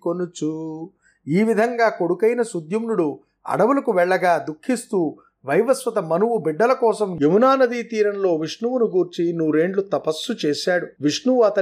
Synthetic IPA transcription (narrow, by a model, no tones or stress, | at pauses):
konut͡ʃu | iːʋid̪ʱɐŋɡaːko̞ɽukɐjnɐsud̪ʱjɐmnuɽu | ɐ̰ɽɐʋulɐkuʋɛɭːɐɡaːd̪ukʰːist̪uː | ʋɐjʋɐsʋɐt̪ɐmɐnuwubiɖːɐlɐkɔːsɐmjeʋunaːnɐd̪iːt̪iːɾɐnlo̞ːʋiʂɳuʋunuɡuːɾt͡ʃinuːɾe̞ːɳɖlut̪ɐpɐsːut͡ʃeːʃaːɽuʋiʂɳuʋuɐt̪ɐ